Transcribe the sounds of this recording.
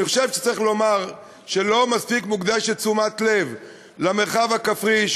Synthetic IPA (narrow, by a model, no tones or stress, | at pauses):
niχoʃevʃe̥t͡sʁiχlo̞maʁ | ʃe̞lo̞maspikmukd̪aʃet͡sumat̪le̞v | lameʁχavhakafʁiʃ